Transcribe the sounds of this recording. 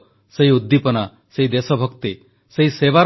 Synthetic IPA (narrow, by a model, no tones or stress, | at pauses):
seɦiud̪ːipɔna | seɦid̪esɔbʱɔkt̪i | seɦiseβaɾ